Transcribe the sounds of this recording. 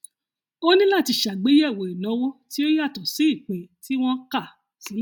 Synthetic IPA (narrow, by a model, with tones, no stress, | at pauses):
o˦nĩ˦la˦˨ti˧˨ʃa˨ɡ͡be˨˦jɛ˦˨wo˨i˨nã˨˦wo˦ti˦o˦ja˦˨tɔ˨se˨˦i˦˨k͡pẽ˨ti˨˦w̃ɔ̃˦ka˦˨ | si˨˦